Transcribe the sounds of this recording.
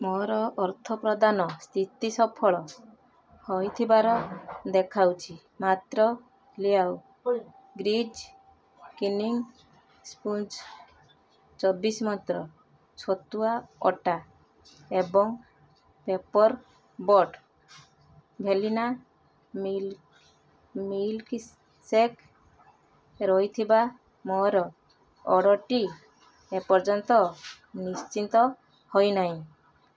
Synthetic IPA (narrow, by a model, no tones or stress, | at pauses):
mɔɾɔːɾt̪ʰɔpɾɔd̪anɔst̪ʰit̪isɔpʰɔɭɔ | hɔjt̪ʰibaɾɔd̪ekʰawt͡ʃʰi | mat̪ɾɔ | liaw | ɡɾid͡ʒ | kiniŋ | spuns | t͡ʃɔbismɔt̪ɾɔ | sɔt̪uaɔʈa | ebɔŋ | pepɔɾ | bɔʈ | bʱelina | ml | milki | sek | ɾɔijt̪ʰiba | mɔɦɾɔ | ɔɽɔʈi | epɔɾd͡ʒɔnt̪ɔ | nist͡ʃint̪ɔ | hɔjnaɦj̃